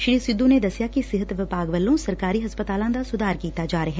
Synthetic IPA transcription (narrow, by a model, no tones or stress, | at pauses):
ʃɾiːsɪd̪ʱːũned̪ɐsjakisɪɦət̪ʋɪbaːɡʋəlːõsɐɾkaːɾiɦɐspət̪aːlãd̪asʊd̪ʱaːɾkiːt̪ad͡ʒaːɾəɦɛ̃